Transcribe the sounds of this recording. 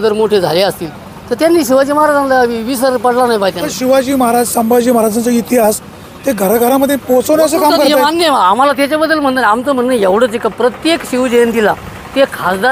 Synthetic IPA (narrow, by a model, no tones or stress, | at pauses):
d̪əɾmoʈʰed͡zʱa̰leəst̪iːl | t̪əɾt̪janːiːɕiʋad͡ʑiːməɦaɾad͡zanlaʋisəɾpəɽlanaɦjbajt̪jãəɾɕiʋad͡ʑiːməɦaɾad͡zsəmbad͡ʑiːməɦaɾad͡zant͡səit̪iɦas | t̪eɡʱəɾɡʱəɾaməd̪ʱjepot͡sənəsəːkamkəɾeamanːjəam̤alat̪̬jat͡ɕjabəd̪ːəlm̤əɳt̪ənamt̪əm̤ənːəjeʋɽ̤əd͡zekapɾət̪jekɕiʋd͡ʑent̪ila | t̪ekʰasd̪a